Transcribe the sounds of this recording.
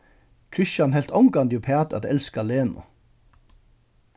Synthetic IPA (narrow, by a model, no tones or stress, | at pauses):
kʰɹʏʃɑnhɛlt̪ʰɔŋkɑnd̪jupʰɑːt̪ɑ̰t̪ɛ̰lskɑleːnʊ̰